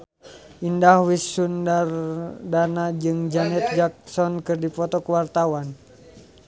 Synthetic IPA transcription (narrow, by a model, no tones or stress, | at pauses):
indahwisundardanad͡ʒɨŋd͡ʒanɛt̪̚d͡ʒak̚sɔnkɨrdipɔt̪ɔkəwart̪awan